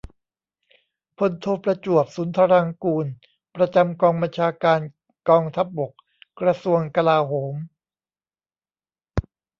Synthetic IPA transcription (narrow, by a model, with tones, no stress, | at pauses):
pʰo˧˦nt̪ʰoː˧pɾa˧t͡ɕu˨˩əp̚suː˩˦nt̪ʰa˧ɾa˧ŋkuː˧n | pɾa˧t͡ɕa˧mkɔː˧ŋba˧nt͡ɕʰaː˧kaː˧n | kɔː˧ŋt̪ʰa˦˥p̚bo˨˩k̚ | kɾa˧su˧əŋka˧laː˧ɦoː˩˦m